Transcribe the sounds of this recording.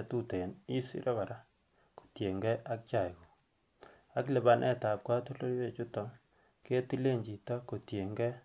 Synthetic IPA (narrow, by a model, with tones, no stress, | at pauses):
tu˦te˨ni˦sḭ˦ɾʔɛ˦ka˨ɾa˦ | ko̥˨tje˨ŋɡɛ˦ʔa˦k̚t͡ʃa˨i˨ku˨ | a˦kle˨ba˦nʔɛ̰˦ta˨p̚kwa˦tu˦lo˦lwe˨t͡ʃu˦tɔ˦ŋ | ke˦ti˦le˦ɲd͡ʒi˨tɔ˦ko˨tje˨ŋɡɛ˦